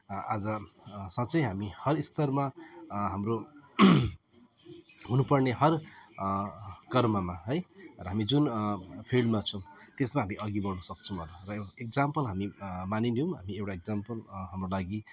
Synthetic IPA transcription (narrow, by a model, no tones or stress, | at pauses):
ad͡zʌsat͡sʌjɦamihʌrist̪ʌrmaɦamro | ɦunupʌrneɦʌr | kʌrmʌmaɦʌjrʌɦamid͡zunpʰilɖmat͡sʰʌwt̪esmaɦamiʔʌɡibʌɽnʌsʌk̚t͡sʰʌ̃bʱʌlarʌekd͡zampʌlɦamimaninjõmɦamiewʈaek̚d͡zampʌlɦamrolaɡi